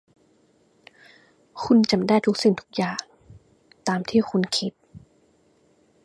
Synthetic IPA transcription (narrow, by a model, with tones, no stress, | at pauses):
kʰu˧nt͡ɕa˨˧˩mdaː˥˩jt̪ʰu˦˥k̚si˨˩nt̪ʰu˦˥k̚jaː˨˩ŋ | t̪aː˧mt̪ʰiː˥˩xʰu˧nkʰi˦˥t̪̚